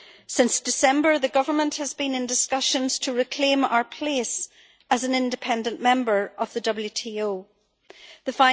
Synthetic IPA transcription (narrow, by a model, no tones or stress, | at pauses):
sɪ̃nsd̥ɪsɛ̃mbə˞ðəɡʌvə˞mə̃nʔhəzbĩnɪ̃ndɪskʌʃə̃nz̥tʰəɹɪkʰl̥ẽma̰ʊə˞pʰl̥es | əz̃n̩ɪ̃ndɨpʰɛ̃ndə̃nmɛ̃mbə˞ʔəvðədʌbl̩ˠjʉtʰioː | ðəfãɪ̃